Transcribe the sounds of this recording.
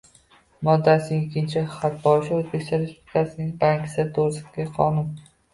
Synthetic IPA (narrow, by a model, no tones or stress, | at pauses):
mɒd̪ːasɪŋɪkʲʰːɪnt͡ʃʰɪχat̪̚bɒɪʃɪozbekʲst̪ɒɾespublɪkʰasɪnɪŋbaŋkʲʰɪ̥sɪt̪ʰoɾɪsɪ̥kʲaqʰɒnʊn